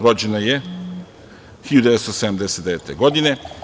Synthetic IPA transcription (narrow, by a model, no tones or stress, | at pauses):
ɾod͡ʑenaje | xijud̪eest̪osed̪amd̪eset̪d̪eet̪eɡod̪ine